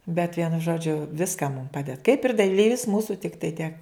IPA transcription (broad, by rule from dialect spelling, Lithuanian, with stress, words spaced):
bʲɛt ˈʋʲiɛnʊ ˈʒoːd͡ʒʲʊ ˈʋʲɪskɐ mʊm ˈpɑːdʲɛt kɐɪp ɪr dɐˈlʲiːʋʲɪs ˈmuːsʊ ˈtʲɪktɐɪ tʲiɛk